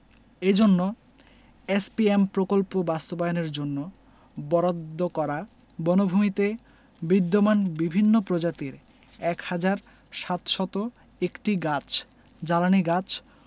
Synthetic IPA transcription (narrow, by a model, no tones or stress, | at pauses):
ed͡ʑonːo | espiempɾokolpobast̪obajoneɾd͡ʑonːo | bɔɾod̪ːokɔɾa | bɔnobʱumit̪e | bid̪ːomanbibʱinːopɾod͡ʑat̪iɾ | ɛkhad͡ʑaɾ | ʃat̪ʃɔt̪o | ekʈiɡat͡ɕʰ | d͡ʑalaniɡat͡ɕʰ